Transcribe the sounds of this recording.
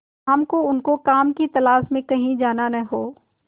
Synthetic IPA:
aːmkoʊnkokaːmkit̪ɐlaːʃmẽkɐɦĩd͡ʒaːnanɐɦɦoː

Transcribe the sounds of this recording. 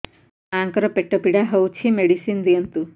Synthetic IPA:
aŋkɔɾɔpeʈɔpiɽaɦewt͡ʃʰimeɽisind̪ijɔnt̪u

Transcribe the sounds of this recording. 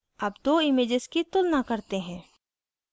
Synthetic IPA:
ɐbd̪oːɪmeːd͡ʒəskit̪ʊlnakɐɾt̪eɦɛ̃ː

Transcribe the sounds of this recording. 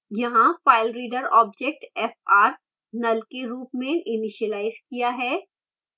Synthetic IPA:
jɐɦãfaːɪlɾiːɖəɾɔːb̚d͡ʒek̚ʈɛːfaːɾ | nɐlkeɾuːpmẽʔɪnɪʃəlaːɪzkijaɦɛː

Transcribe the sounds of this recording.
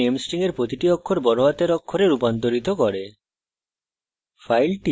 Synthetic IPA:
emsʈiŋeɾpɾot̪iʈiɔkʰːɔɾbɔɾoɦat̪eɾɔkʰːɔɾeɾupant̪oɾit̪ɔkɔɾe | pʰajlʈi

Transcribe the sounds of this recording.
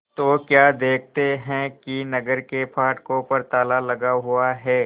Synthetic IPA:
t̪oːkjaːd̪eːk̚ʰt̪eɦɛ̃kinɐɡəɾkepʰaːʈkõpɐɾt̪aːlalɐɡaɦʊaɦɛː

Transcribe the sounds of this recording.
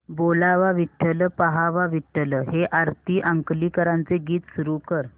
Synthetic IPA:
bolaʋaʋiʈʰːələpaɦaʋaʋiʈʰːələːɦeʔaɾt̪iːʔəŋkliːkəɾãnt͡seɡiːt̪suɾuːkəɾ

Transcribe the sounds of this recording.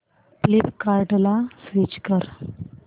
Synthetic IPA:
plibkaɾɖlasʋit͡ɕkəɾ

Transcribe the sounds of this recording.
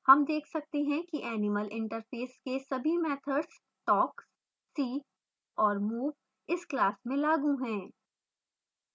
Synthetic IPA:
hɐmd̪eːkʰsɐk̚t̪eɦɛ̃kiʔɛːnɪməlɪ̃ɳʈəɾfeːskesɐbʱimɛːt̪ʰəɾs | ʈɔːksː | iː | ɔːɾmuːb | ɪsklaːsmẽlaːɡũɦɛ̃ː

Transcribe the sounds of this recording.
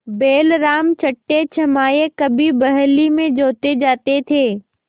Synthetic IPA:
beːlɾaːmt͡ʃɐʈːet͡ʃʰɐmaːekɐbʱibɐɦlimẽd͡ʒoːt̪ed͡ʒaːt̪et̪ʰeː

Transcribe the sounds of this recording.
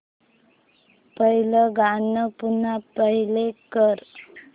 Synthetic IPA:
pəɦiləɡʱanəpunapəɦilekəɾ

